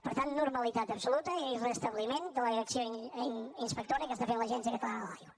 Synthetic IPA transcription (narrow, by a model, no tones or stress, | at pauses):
pəɾt̪annuɾməlit̪at̪əpsulut̪əerəst̪əβlimend̪ələðiɾəksjo | inspək̚t̪oɾiəkəst̪afenləʒɛns̬jəkəfala̰jɣwə